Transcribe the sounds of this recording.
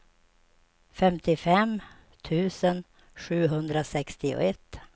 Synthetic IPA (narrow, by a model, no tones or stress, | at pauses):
fɛmt̪ɪfɛm | t̪ʰʉ̟ːsən | ɧʉ̟ːɦɵnd̪ɾasɛkst̪ɪʊ̰ɛt̪ː